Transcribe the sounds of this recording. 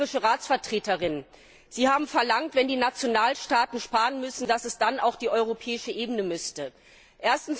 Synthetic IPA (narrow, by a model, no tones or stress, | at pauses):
ɪʃəʁaːt͡sfɛɐtʁ̥eːtəʁɪn | z̥iːhaːbm̩fɛɐlaŋtv̥ɛndiːnat͡sjonaːlʃtaːtn̩ʃpaːʁənmʏsn̩d̥asɛsd̥ana̰ʊxd̥iːʔɔʏʁopʰɛːɪʃəʔeːbənəmʏstə | ʔeːɐstn̩s